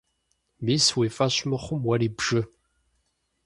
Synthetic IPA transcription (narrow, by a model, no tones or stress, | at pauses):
miːsweːfaɕmɨχʷʊmwɐɾiːbʐɨ